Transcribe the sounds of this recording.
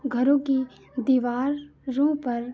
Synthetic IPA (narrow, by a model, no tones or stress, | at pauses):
ɡʱɐɾõki | d̪iːʋaːɾːũːpɐɾ